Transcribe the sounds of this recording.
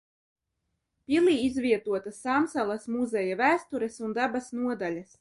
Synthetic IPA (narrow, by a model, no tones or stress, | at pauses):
pʲilˠiːizvʲiɛt̪uɔt̪asamsalˠasmuzɛjavæːst̪uɾɛsund̪abasnuɔd̪alʲas